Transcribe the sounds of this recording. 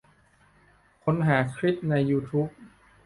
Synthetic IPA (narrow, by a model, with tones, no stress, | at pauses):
kʰo˧˥nɦaː˩˦kʰɾi˦˥t̪̚na˧jːuː˧t̪ʰuː˦˥p̚